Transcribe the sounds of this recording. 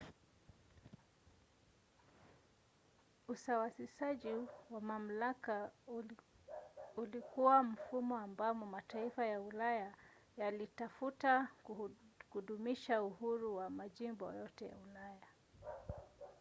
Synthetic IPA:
usawasisaʄiwamam̩laka | ulikuwam̩fumɔambamɔmataifajaulajajalitafuta | huɗumiʃauhuɾuwamaʄimbɔ̰jɔtɛja̰ulaja

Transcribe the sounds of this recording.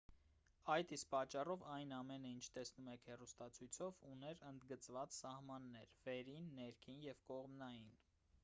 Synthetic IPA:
ɑjt̪ispɑt͡ʃːɑrɔvɑjnɑmɛnəint͡ʃʰt̪ɛsnumɛkʰhɛrust̪ɑt͡sʰujt͡sʰɔvunɛɾənd̪ɡət͡svɑt͡ssɑhmɑnːɛɾv̥ɛɾinːɛɾkʰinjɛvkɔʁmnɑjin

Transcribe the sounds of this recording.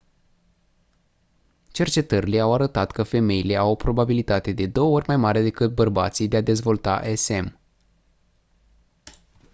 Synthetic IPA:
t͡ʃe̞rt͡ʃe̞t̪əɾʲileawaɾət̪at̪kəfe̞me̞jile̞awpɾo̞babilit̪at̪e̞d̪e̞d̪o̞wəo̞rʲmajmaɾe̞d̪e̞kɨt̪̚bərba̰t̪sijd̪e̞ad̪e̞zvo̞lt̪a̰ʔese̞m

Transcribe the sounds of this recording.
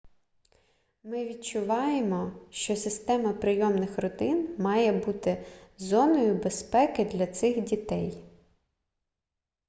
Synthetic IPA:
mɪʋʲid̚t͡ʃʊʋɑjemɔʃt͡ʃɔsɪst̪ɛmɐpɾɪjɔmnɪxɾɔt̪ɪnmɑjɛbut̪ɪzɔnɔjʊbespɛkɪd̪lʲɐt̪sɪxdʲit̪ɛj

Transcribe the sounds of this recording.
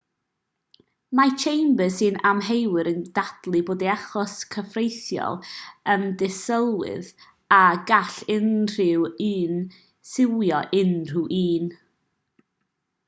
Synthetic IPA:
mat͡ʃʰejmbəsɨnamɦejwɨɾənd̥ad̥lˠɨboːdiaχɔskʰəfrejθjɔ̰lˠəndɪsəlˠwɨ̰ð | aɡaɬɪnr̥ɪwiːn | sɪwjɔʔɪnr̥uʔiːn

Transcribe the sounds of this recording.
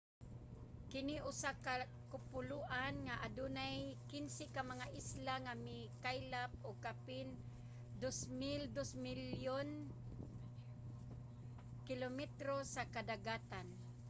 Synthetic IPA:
kɪnɪʔʊsaka | kʊpʊlʊʔanŋaʔadunajkɪnsɪkamaŋaʔɪslaŋamɪkajlap̚oɡ̚kapɪn | d̪osmɪld̪osmɪljon | kɪlomɛt̪ɾosakad̪aɡat̪an

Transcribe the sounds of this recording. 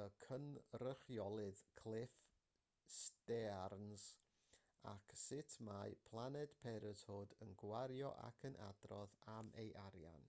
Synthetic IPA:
əkʰənrəχjɔlˠɨðkʰlˠɪf | sdɛarnz | a̰kʰsɪtʰmajpʰlˠanɛd̥pʰɛɾəshoːdənɡwaɾjɔ̰ʔa̰kʰənʔa̰drɔðamʔḛjʔaɾja̰n

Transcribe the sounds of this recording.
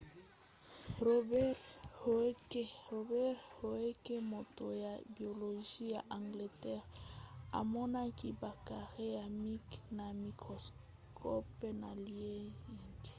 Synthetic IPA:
robɛɾhoekerobɛrhoekemot̪ojabjoloʒiaʔaŋɡlet̪ɛɾa̰monakibakaʁeamiknamikos | kʰopenalje

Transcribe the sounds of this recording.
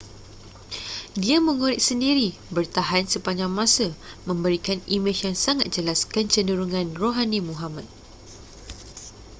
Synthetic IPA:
diamə̃ŋuɾɪʔ̚səndiɾibərt̪aɦansəpaɲd͡ʒaŋmãsəmə̃mbəɾikanimet͡ʃjaŋsaŋat̪̚d͡ʒəlaskənt͡ʃəndəɾuŋãnroɦanĩmũɦamat̪̚

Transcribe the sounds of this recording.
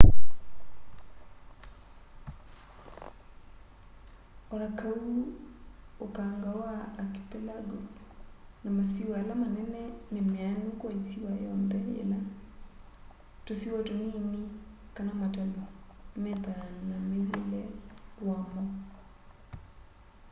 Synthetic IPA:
ɔɾakau | okaŋɡawaːki̥pɛlaɡɔsnamasiwalamanɛnɛnemeanokwaisiwajɔndɛḛla | tosiwɔtonini | kanamatɛlɔmeðanamewelɛwamɔ

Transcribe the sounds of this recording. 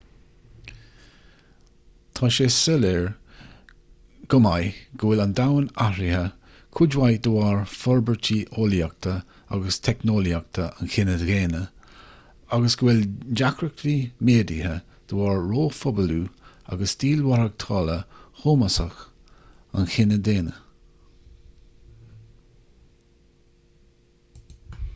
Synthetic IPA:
t̪ʰɑːʃeːsəlɛɹ | ɡ̥ʊmajɡ̥əwɪland̪awənaɾihə | kʰʊd͡ʒwajd̪əwɑːɹfɔɹbəɹt͡ʃʰiʔoljak̚t̪ʰə | a̰ɡəst̪ʰɛknoːljak̚t̪ʰəa̰nxɪnədɣeːnə | aɡəsɡəwɪld͡ʒakɾəkʰɾimeːdihə | d̪̥əwɑːɹːoːfɔbəluː | a̰ɡəsd̪iːlwaɾəɡ̚t̪ʰɑːləxoːməsəx | anxɪnəd̪eːnə

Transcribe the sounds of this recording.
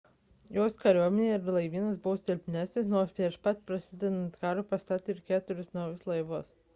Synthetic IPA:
joːskɐɾʲuɔmʲɛnʲeɪɾlˠɐɪʋʲiːnɐsbʊʋoːst̪ʲɪlʲpʲnʲæːsʲnʲɪsnoːspʲɾʲiɛʃpɐt̪pɾɐsʲɪd̪ʲɛnɐnt̪kɑːɾopɐst̪ɑːt̪ʲoɪɾkʲæːt̪ʊɾʲʊsnɐʊjʊslˠɐɪʋos

